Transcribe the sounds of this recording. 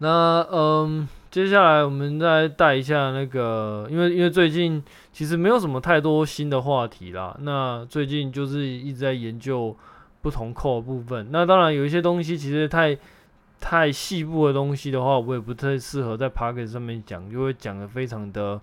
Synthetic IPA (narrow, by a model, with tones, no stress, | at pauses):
na˥˩ə˧mt͡ɕjɛ˥ɕ̬ja˥˩la˧˦˥ɪwɔ˨˩mə˨˦nt͡sa˥˧ɪt̪a˥˩ɪi˧˥ɕ̬ja˥˧na˥˩ɡə˩i˥nwe˥˩ɪi˥nwe˥˧t͡swe˥˧ɪt͡ɕi˥˩n | t͡ɕʰi˧˥ʂ̬ɻ̩˧˥me˧˥ɪjo˨˥ʊʂə˩˦mə˧˦t̪ʰa˥˩ɪt̪wɔ˦ɕi˦nd̪ə˨xwa˥˨t̪ʰḭ˨˧˦la̰˨˩na˥˧t͡swe˥˧ɪt͡ɕi˥˧nt͡ɕjo˥˧ʊʂɻ̩˥˧i˥˩ʈ͡ʂɻ̩˧˥t͡sa˥˩ɪjɛ˨˧˦nt͡ɕjo˥˧ʊ | pu˥˩t̪ʰʊ˧˦ŋkʰɔ˥˩ʊə˨˩pu˥˧fə˨˩nna˥˧t̪ɑ˥ŋɻa˧˥njo˨˩ʊi˥˩ɕ̬jɛ˥t̪o˥ŋɕ̬i˥t͡ɕʰi˧˥ʂɻ̩˧˥jɛ˨˩t̪ʰa˥˧ɪ | t̪ʰa˥˧ɪɕi˥˧pu˥˩d̪ə˩t̪o˦˥ŋɕi˥d̪ə˨xwa˥˩wɔ˧˦˥jɛ˨˩pu˧˥t̪ʰa˥˧ɪʂɹ̩˥˩xɤ˧˦t͡sa˥˩ɪpʰa˥˦kʰɛ˨˩ʂɑ˥˧ŋmjɛ˥˩nt͡ɕjɑ̰˨˩ŋt͡ɕjo˥˧ʊxwe˥˩ɪt͡ɕjɑ˨˩ŋd̪ə˦fe˥ɪʈ͡ʂʰɑ˧˥ŋd̪ə˨